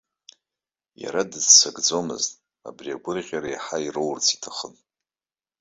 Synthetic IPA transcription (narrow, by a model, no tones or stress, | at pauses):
ja̰ɾadɨzsaɡd͡zomɨ̰ztʼ | a̰briaɡʷʊrʁʲaɾajħairowrt͡sʰi̥tʰaχən